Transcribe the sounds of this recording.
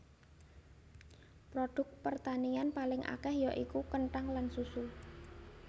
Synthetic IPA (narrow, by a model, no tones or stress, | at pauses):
pɾoɖ̥ʊ̤k̚pərt̪anianpalɪŋʔa̰kɛhjɔʔikukəɳʈaŋlansusu